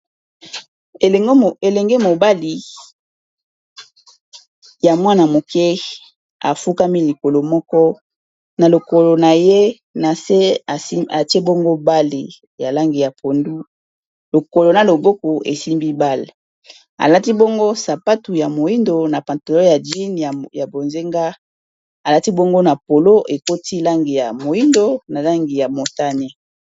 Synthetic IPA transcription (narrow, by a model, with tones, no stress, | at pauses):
e˨˦e˨lɛ˨ŋɡe˦mo˨ba˦li˨ | ja˨mwa˦na˨mo˨kɛ˦ | a̰˨fu˦ka˦mi˦li˨ko˨lo˨mɔ˦kɔ˦ | na˨lo˨ko˨lo˨na˨je˦ | na˨se˦˨˦a˨ti˦e˦bo˦ŋɡo˦ba˦li˨ | ja˨la˦ŋɡi˨ja˨pʰo˨ndu˦ | lo˨ko˨lo˨na˨lo˨bo˦ko˨ʔḛ˨si˦mbi˦ba˦l | a̰˨la˦ti˦bo˦ŋɡo˦sa˨pa˦tu˨ja˨mo˨ji˦ndo˨na˨pa˨nto˨lo˦ja˨di˦n˨ja˨bo˨nze˦ŋɡa˦ | a˨la˦ti˦bo˦ŋɡo˦na˨po˨lo˦ʔe˨ko˦ti˦la˦ŋɡi˨ja˨mo˨ji˦ndo˦na˨la˦ŋɡi˨ja˨mo˨ta˦ne˦